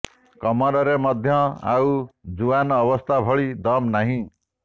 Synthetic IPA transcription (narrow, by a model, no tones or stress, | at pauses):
kʌmɔɾʌɾemʌd̪ʱjʌa̰wd͡zuanːbʌst̪ʰabʱʌɭid̪ʌmnaɦĩ